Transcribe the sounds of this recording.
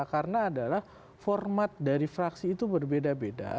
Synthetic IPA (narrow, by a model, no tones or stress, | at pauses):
karənaːdalah | fɔrmat̪̚daɾifɾaksiːt̪ubərbedabeda̰